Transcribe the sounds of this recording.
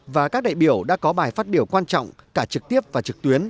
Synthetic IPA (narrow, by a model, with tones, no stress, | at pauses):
vaː˨˩kaː˦˥k̚ɗa̰ː˧˨jɓi˧˩əwɗa̰ː˧˥kɔ˨˦ɓaː˨˩jfaː˦˥t̚ɓi˧˩əwkwaː˧nt͡ɕɔ̰˧˨wŋ͡mkaː˧˩t͡ɕɨ˨˩k̚t̪i˦˥əp̚vaː˨˩t͡ɕɨ˨˩k̚t̪wi˨˦ən